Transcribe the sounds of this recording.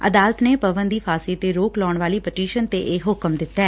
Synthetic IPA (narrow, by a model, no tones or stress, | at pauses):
ə̰d̪aːlət̪neːpəbənd̪iːpʰaːsiːt̪eːɾoːklɔːɳʋaːliːpəʈiːʃənt̪eːʔeːɦʊkəmd̪ɪt̪ːɛː